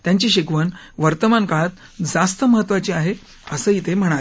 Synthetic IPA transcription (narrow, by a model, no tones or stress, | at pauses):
t̪jaɲt͡ɕiːɕekʋən | ʋəɾt̪əmankaɭat̪̚ | d͡zast̪əməɦət̪ːʋat͡ɕiːaɦe | əsəːit̪ʰem̤əɽ̃aɾ